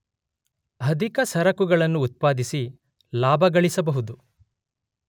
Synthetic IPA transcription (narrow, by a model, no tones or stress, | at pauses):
ɐd̪ʱikɐsɐɾɐkuɡɐɭɐnːuːt̪̚paːd̪isi | laːbʱɐɡɐɭisɐbɐɦud̪u